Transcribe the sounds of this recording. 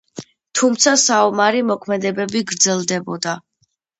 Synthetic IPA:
t̪ʰumt̪sʰasaɔmaɾimɔkʰmɛd̪ɛbɛbiɡɾd̪zɛlˠd̪ɛbɔd̪a

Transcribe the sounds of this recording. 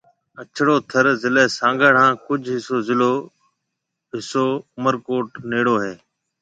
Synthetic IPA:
ət͡ʃʰɽoːt̪ʰəɾzɪleːsãːŋɡəɽ̤ãːkʊd͡ʒʱɦɪsoːzɪloː | ɦɪsoːʊməɾkoːʈneːɽoːɦeː

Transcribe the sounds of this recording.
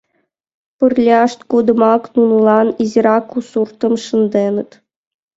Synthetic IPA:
pɯrlʲɑʂt̪kud̪ɤ̆mɑknunulˠɑniziɾɑkusurt̪ɤ̆mʂɤ̆nd̪enə̆t̪

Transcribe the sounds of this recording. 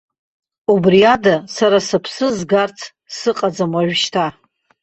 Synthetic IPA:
ubriadasaɾasapʰsɨzɡart͡sʰ | sɨqʼad͡zamaʒʷᶣʃtʰa

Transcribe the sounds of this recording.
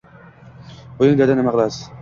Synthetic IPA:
bʊjɪŋd̪ʲad̪anɪmaqɨlˠasɪ̥

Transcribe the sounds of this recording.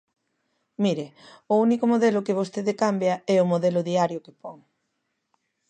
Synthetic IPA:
miɾeʊunikʊmoðelʊkɪβ̞ost̪eðekambjɐɛʊmoðɛlʊðiaɾjʊkepɔŋ

